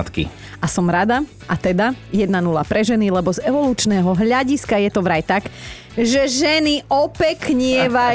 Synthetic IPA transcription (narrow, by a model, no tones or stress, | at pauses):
t̪kḭ | ʔasɔmɾad̪a | ʔat̪ɛd̪ajɛd̪nanulapɾɛʒɛnilɛbɔzɛʋɔluːt͡ʃnɛːɦɔɦʎaɟiskajɛt̪ɔʋɾajt̪aɡ | ʒɛʒɛniɔpɛkɲɪɛʋa